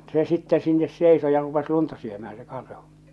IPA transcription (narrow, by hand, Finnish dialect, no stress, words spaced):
se sitːɛ sinːes seˑiso jɑ rupes luntɑ syømæː se kɑrhu̥